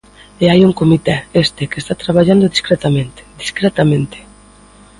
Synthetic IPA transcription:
eajuŋkomit̪ɛest̪ekest̪at̪ɾaβ̞aʎand̪oðiskɾɛt̪amẽnt̪e̥d̪iskɾɛt̪amẽnt̪e̥

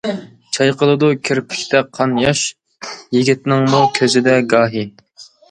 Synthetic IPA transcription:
t͡ʃʰɑjqʰəlˠɨd̪ukʲʰiɾpʰi̥kʲt̪ʰɛqʰɑnjɑʃ | jiɡʲit̪nɪŋmukʲʰøzɪd̪ɛɡɑːɦi

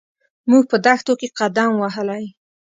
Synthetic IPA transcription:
muɡ̚pəd̪axt̪okeqad̪amwaɦəlaj

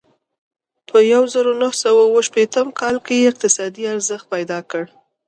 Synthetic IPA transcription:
pʰəjawzəɾonahsawawəʃpet̪əmkʰɑlkejeɪq̚t̪ɪsɑd̪iaɾzəxt̪̚pajd̪ɑkəɽ

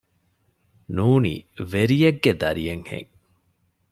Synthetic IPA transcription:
nuːnḭːʋeɾijeɡːed̪ɐɾijeŋhḛŋ

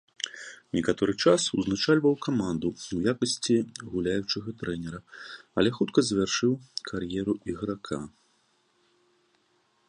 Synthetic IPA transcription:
nʲɛkat̪ɔɾɨt͡ʂasṵznat͡ʂalʲvɐwkamand̪uwjakɐsʲt͡sʲiɣulʲajut͡ʂɨɣɐt̪ɾɛnʲɛɾɐɐlʲɛxut̪kɐzvʲarʂɨwkʰarjɛɾuiɣɾakʰa̰

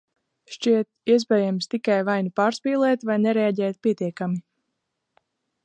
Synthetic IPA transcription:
ʃt͡ʃiɛt̪iɛzbɛjamst̪ikajvajnipaːɾspiːlˠɛːt̪vajnɛɾeaɟɛːt̪̚pʲiɛt̪iɛkami

